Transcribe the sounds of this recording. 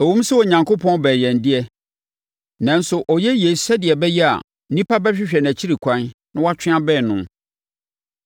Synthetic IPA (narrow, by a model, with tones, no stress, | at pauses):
æ˨wũ˦m˦sɛ˦ɔ˨ɲã˨ŋkʰo˦pʰɔ̃˦nbɛː˨jɛ̃˨n˨dɪ˦ɛ˦ | nã˨n̩˦sʊ˨ʔɔ˨jɛ˦je˨sɛ˦dɪ˨ɛ˨bɛ˦jɛ˦a̰˨ | n̩˦nĩ˦pʰa˦bɛ˦ɕᶣɪ˦ɕᶣɛ˨n˨æ˨t͡ɕʰi˦ɾi˨kʷʰã˦nnã˦wa˦t͡ɕʰᶣɪ̃˦a˦bɛː˦˨nʊ̃˨m